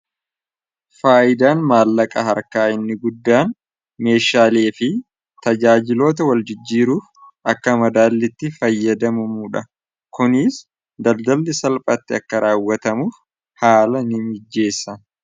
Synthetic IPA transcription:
faːʔɪd̪aːnmaːlːɐkʼɐɦɐɾkaːɪnːɪɡʊd̪ːaːn | me̞ːʃaːleːfɪ | t̪ɐd͡ʒaːd͡ʒɪlo̞ːt̪ɐwɐld͡ʒɪd͡ʒːiːɾuːfʔɐkːɐmɐd̪aːlːɪt̪ːɪfɐjːɐd̪ɐmʊmuːᶑɐ | kʊnɪs | d̪ɐld̪ɐlːɪsɐlpʼɐt̪ːɪɐkːɐɾʔaːwːɐt̪ɐmuːf | haːlɐnɪmɪd͡ʒːe̞ːsːɐ

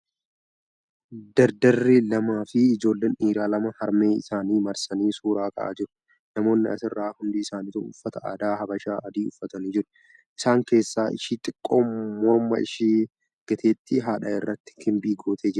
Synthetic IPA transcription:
d̪ɐɾd̪ɐrːɪlɐmaːfɪɪd͡ʒo̞ːlːeːniːɾaːlɐmɐhɐɾme̞ːɪsaːniːmɐɾsɐniːsuːɾaːkʰʼɐ̰ʔa̰ːd͡ʒɪɾʊ̥ | nɐmo̞ːnːɪɐ̰sɪrːaːhʊnd̪ɪɪsaːniːt̪ʊʊ̰fːɐt̪ɐʔa̰ːd̪aːhɐbɐʃaːʔɐd̪iːʊfːɐt̪ɐniːd͡ʒɪɾʊ̥ | ʔɪsaːŋke̞ːsːaːʔɪʃiːt̪ʼɪkʼːo̞ːmmɔɾmɐ̰ɪʃiː | ɡ̥ɐt̪ʰeːt̪ːɪɦaːᶑɐɪrːɐt̪ːɪ̥kɪmbiːɡo̞ːt̪ʰeːd͡ʒɪɾʊ

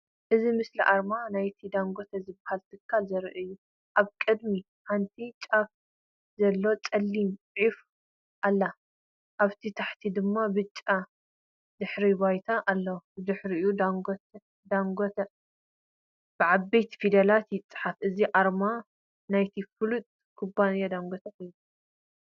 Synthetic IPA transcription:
ʔɨzimɨsliʔaɾmanajt̪ʰid̪aŋɡot̪ʰɐzɨbːahalt̪ʰɨkʰːalzɐɾʔɨjːu | ʔaβkʼɨd̪mi | ħant̪ʰit͡ʃʼaf | zɐlːo̞t͡sʼɐlːimʼ | ʕif | ʔalːa | ʔaβt̪ʰit̪ʰaħt̪ʰid̪ɨmːabɨt͡ʃʼːa | d̪ɨħɾibajt̪ʰaʔalːɐwd̪ɨħɾiud̪aŋɡ̪ | d̪aŋɡot̪ɐ | b̥ɨʕabejt̪ʰfid̪ɐlat̪jɪt͡sʼːɨ̥ħafɨziʔaɾma | najt̪ʰifɨlut̪ʼ | kʰubːanjad̪aŋɡʷot̪ʰɐħɨju

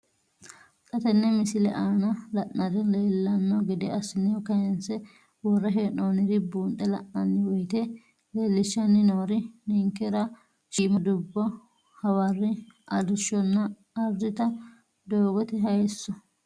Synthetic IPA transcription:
kʼɐt̪ɛnːɛmɪsɪlɛ̰ʔaːnɐlɐʔnɐd̪ɛleːlːɐnːɔɡɪd̪ɛɐsɪnɛjɔkɐjɛnsɛ | wɔrːɐɦeːnoːnɪd̪ɪbuːnt̪ʼːɛlɐ̰ʔnɐnːɪwɔjt̪e | leːlːɪʃːɐnːɪnoːɾɪnɪŋkːɛɾɐ | ʃiːmɐd̪ʊbːɔ | hɐwɐrːɪʔɐd̪ɪʃɔnːɐ | ɐɾd̪ɪt̪ɐ | d̪oːɡɔt̪ɛɦɐjsːɔ

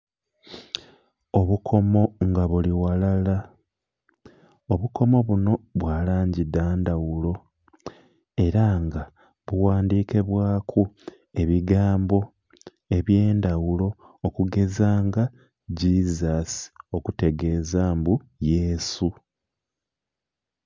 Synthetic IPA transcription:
o̞βukʰo̞mo̞ŋɡaβuliwalala | oβuko̞mo̞βuno̞βwaːlaːɲɟidaːndawulo̞ | e̞ɾaŋɡa | βuwaːndiːke̞βwaːkʰu | e̞βiɡaːmbo̞ | e̞βje̞ːndawulo̞ː | kuɡe̞zaːŋɡa | ɟizasi̥o̞kute̞ɡe̞ːzaːmbu | jesu

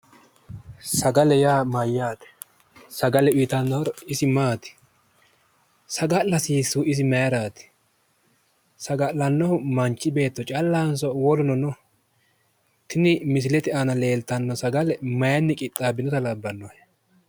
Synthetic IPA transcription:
sɐɡɐlɛjaːmɐjːaːt̪ɛ̥ | sɐɡɐlɛʊjt̪ɐnːɔhɔɾɪsɪmaːt̪ɪ̥ | sɐɡɐlɐsiːsːuːɪs̬ɪmɐjɐɾaːt̪ɪ̥ | sɐɡɐʔlɐnːɔhʊmɐnt͡ʃːɪbe̞ːt̪ːɔt͡ʃʼɐlːaːnsɔwɔlʊnɔnɔ | t̪ɪnɪmɪs̬ɪlɛt̪ɪanɐle̞ːlt̪ɐnːɔsɐɡɐlɛmɐjɐnːɪkʼɪt̪ʼːaːbɪnɔt̪ɐlɐbːɐnːɔhɛ

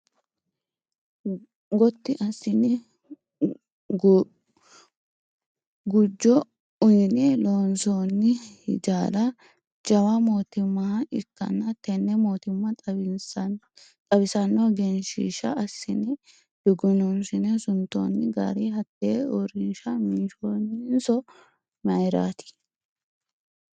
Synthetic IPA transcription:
ɡɔt̪ːɪʔɐsːɪnɪ | ɡʊd͡ʒːɔ | ʊjɪnɪloːnsoːnːɪhɪ̰d͡ʒaːlɐ | d͡ʒɐwɐmoːt̪ɪmːɐhɐɪkːɐ̰nːɐt̪ɛnːɛmoːt̪ɪmːɐ | t̪ʼɐbɪsɐnːɔɡɛnʃḭːʃɐʔɐsːɪnɪ | d̪̥ʊɡʊnunsɪnɛsʊnt̪o̰ːnːɪɡa̰ɾihɐt̪ːeːɔɾɪnʃɐmɪnʃoːnɪnsɔ | mɐjɾa̰ːt̪ɪ̥

